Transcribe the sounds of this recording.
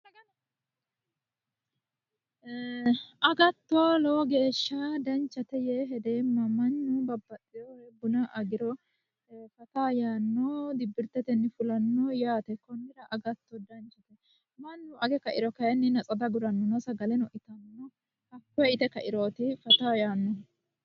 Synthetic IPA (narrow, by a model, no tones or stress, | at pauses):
ɐɡɐ | ʔɐɡɐt̪ːɔlɔwɔɡe̞ːʃːɐd̪ɐnt͡ʃːɐt̪ɛjɛɦɛd̪eːmːɐmɐnːʊbɐbːɐt̪ʼːɪɾɔɛbʊnɐʔɐɡɪɾɔ | fɐt̪ajaːnːɔd̪ɪbːɪɾt̪ːɛt̪ɛnːɪfʊlɐnːɔjaːt̪ɛkɔnːɪdɐʔɐɡɐt̪ːɔd̪ɐnt͡ʃɐt̪ɛ | mɐnːʊɐɡɛkɐʔɪɾɔkɐɛnːɪnɐt͡sʼɐd̪ɐɡʊɾɐnːɔnɔsɐɡɐlɛnɔʔɪt̪ɐnːɔ | hɐkːɔɛɪt̪ɛkɐʔɪɾo̞ːt̪ɪfɐt̪aːjaːnːɔ